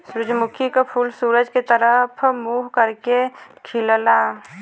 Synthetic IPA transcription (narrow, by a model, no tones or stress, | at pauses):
sɾʊd͡ʒmʊkʰikapʰuːlsuːɾəd͡ʒket̪əɾəpʰmuːɦkəɾkekʰɪlla